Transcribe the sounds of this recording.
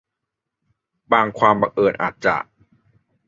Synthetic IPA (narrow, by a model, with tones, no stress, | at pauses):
baː˧ŋkʰwaː˧mba˧ŋʔɤː˨˩nʔa̰ː˨˩t̪̚t͡ɕa̰˨˩ʔ